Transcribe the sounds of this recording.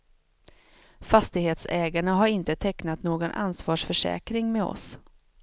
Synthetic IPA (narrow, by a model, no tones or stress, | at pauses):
fast̪ɪɡheːt̪sɛːɡaɳaɦaɾɪnt̪ət̪ʰɛknat̪noːɡɔnʔa̰nsvɑːʂfœʂɛ̰ːkɾɪŋmeɔ̰s